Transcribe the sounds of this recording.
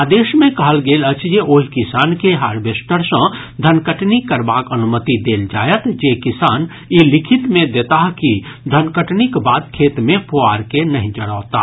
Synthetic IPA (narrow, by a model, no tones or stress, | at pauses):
ad̪eːʃmẽkəɦəlɡeːlət͡ʃʰd͡ʒeʔoːɦikisankeɦaːɾbesʈəɾsə̃d̪ʱənkəʈnikːəɾbakənumət̪id̪eːld͡ʒajət̪d͡ʒekisaːn | jilikʰit̪mẽd̪et̪aɦkid̪ʱənkəʈnikbaːt̪̚kʰet̪mẽpoaɾkenəɦĩd͡ʒəɽa̰ʊt̪a